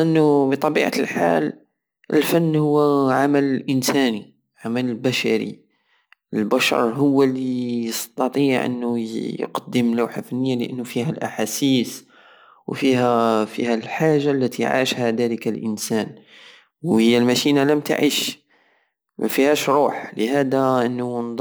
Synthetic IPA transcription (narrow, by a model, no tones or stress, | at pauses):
ʔənːʊbit̪ˤɑbiʕa̰lħa̰l | ʔə̰lfænːhʊwːʕamællʔənsæni | ʕamæləlbæʃæ̰ɾḭ | ʔəlbæʃɑ̰ɾˤɦʊwːælijəst̪ɑt̪ˤiʕʔə̰nːʊjqɑd̪ːəmlawħafænːəjːaləʔənːʊfihælʔaħasiːs | wfihæfḭhælħaʒːalːæt̪iʕa̰ʃhæd̪æləkælʔənsæn | whəjːælmæʃinalæmt̪a̰ʕḭːʃ | m̰fihæʃɾuːħləhæd̪aʔənːund̪ˤ